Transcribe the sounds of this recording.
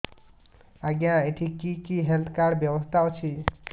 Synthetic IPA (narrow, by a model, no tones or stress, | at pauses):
aɡjãeʈʰikikiɦelt̪ʰkaɽbjɔbɔst̪ʰaot͡ʃʰi